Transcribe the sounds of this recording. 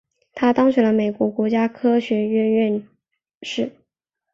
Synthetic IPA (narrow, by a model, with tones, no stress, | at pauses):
t̪ʰa˥t̪ɑ˥ŋɕɥɛ˧˥nlə˧me˨˩ɪkwɔ˧˥kwɔ˧˥t͡ɕja˥kʰɤ˥ɕɥɛ˧˥ɥɛ˥˧nɥɛ˥˧n | ʂɻ̩˥˩